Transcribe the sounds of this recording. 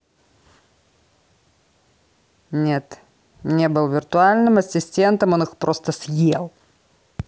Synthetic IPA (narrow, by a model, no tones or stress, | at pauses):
nʲet̪ | nʲe̞bɨlˠvʲɪrt̪ʊalʲnɨmɐsʲɪsʲtʲent̪əmo̞nɨxpɾʔo̞st̪əsʲjelˠ